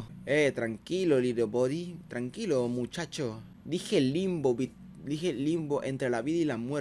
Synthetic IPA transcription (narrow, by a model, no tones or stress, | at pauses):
et̪ɾaŋkiloliðoboðit̪ɾaŋkilomut͡ʃat͡ʃo | d̪ixelimbobi | d̪ixelimboʔent̪ɾelaβiðailamwe